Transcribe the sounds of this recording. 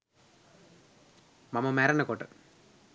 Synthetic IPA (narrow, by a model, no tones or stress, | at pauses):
mɐmːɐmeːɾɐnːɐkoːʈːɯ̰